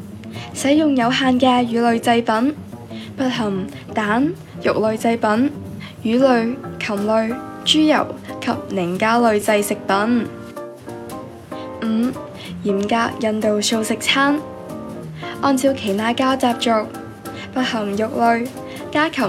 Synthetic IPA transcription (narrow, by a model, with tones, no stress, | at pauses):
sɐ˨˥jjʊ˨ŋjɐ˨˧wɦaː˨nkɛː˧jyː˨˧˥lɵ˨˧ɥt͡sɐ˧jpɐ˨˥npɐ˧t̚ɦɐ˨˩ŋ | t̪aː˨˥n | jʊ̰˨k̚lɵ˨ɥt͡sɐ˧jpɐ˨˥n | jyː˨˥lɵ˨˧ɥkʰɐ˨˩mlɵ˨˧ɥt͡ʃyː˥jɐ̰˨˩wkʰɐ˨p̚nɪ˨˩ŋkaː˥lɵ˨˧ɥt͡sɐ˧jsɪ˨k̚pɐ˨˥n | m̩˨˩ | jiː˨˩mkaː˧k̚jɐ˨nt̪o˨wso˧wsɪ˨k̚t͡sʰaː˥n | ʔɔː˧nt͡sʰiː˧wkʰe˨˩jt̪ʰaː˥kaː˥t͡saː˧p̚t͡ʃʊ˨˧k̚ | pɐ˧t̚hɐ˨˩ŋjʊ˨k̚lɵ˨˧ɥ | kaː˥kʰɐ˨˩